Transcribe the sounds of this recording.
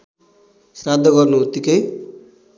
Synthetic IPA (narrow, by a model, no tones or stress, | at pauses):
srad̪ʱːʌɡʌrnuɦut̪ikʌj